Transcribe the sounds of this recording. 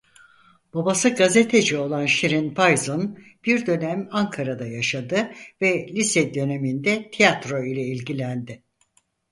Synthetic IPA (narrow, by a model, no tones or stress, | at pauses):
b̥abasɯɡazet̪ʰe̞d͡ʒio̞lˠanʃiɾinpajzon | b̥iɾd̪ø̞næmaŋkʰaɾad̪ajaʃad̪ɯvɛlʲisɛd̪ø̞ne̞mind̪ɛt̪ʰijat̪ɾo̞ilʲɛilʲɟilʲænd̪ɪ